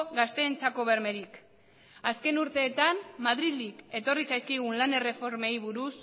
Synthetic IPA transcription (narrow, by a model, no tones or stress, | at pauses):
ɣast̪e̞ːnt͡sako̞βe̞ɾme̞ɾik | aske̞nuɾt̪e̞ːt̪ammaðɾilike̞t̪o̞risajskiɣunlane̞re̞fo̞ɾme̞jβuɾus